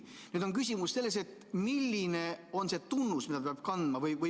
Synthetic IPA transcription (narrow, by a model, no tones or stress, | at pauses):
nyːd̪oŋkys̬ʲimusse̞lːe̞s̬e̞t̪ː | milːine̞o̞nse̞t̪unːusmid̪ɑppeɑb̥̚kɑnd̪̥mɑvɤjvə